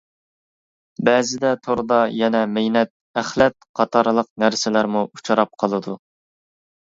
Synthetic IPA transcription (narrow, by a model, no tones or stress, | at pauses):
bɛzɪd̪ɛt̪ʰoɾd̪ɑjɛnɛmejnɛt̪̚æχlɛt̪̚qʰɑt̪ʰɑɾlˠəqnæɾsɪlæɾmuut͡ʃʰɑɾɑp̚qʰɑlˠɨd̪u